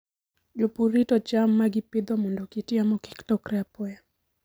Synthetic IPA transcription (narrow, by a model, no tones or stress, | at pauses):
d͡ʒopuɾitɔt͡ʃamːaɡɪpɪd̪ɔmɔndɔkitiamɔki̥ktɔkrɛapɔja